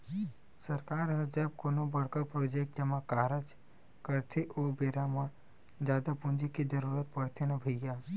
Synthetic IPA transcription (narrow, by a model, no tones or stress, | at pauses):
sɐɾkaːɾɦɐd͡ʒəb̚konobɐɽkapɾoːd͡ʒeːk̚ʈ̚d͡ʒɐmãkaːɾət͡ʃ | kəɾt̪ʰiʔoːbeːɾamã | d͡ʒjaːd̪apʊ̃nd͡ʒikid͡ʒəɾuːɾət̪̚pɐɽt̪ʰenɐbʱiɡjaː